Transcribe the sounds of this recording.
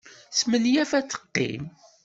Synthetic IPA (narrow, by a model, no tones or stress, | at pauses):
smənjæfæt͡sːə̥qːḭm